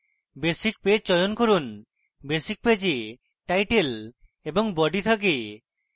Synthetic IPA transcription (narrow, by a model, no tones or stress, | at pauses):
besik̚ped͡ʒt͡ʃɔjɔnkoɾun | besik̚ped͡ʒe | ʈajʈel | ebɔŋbɔɖit̪ʰak̬e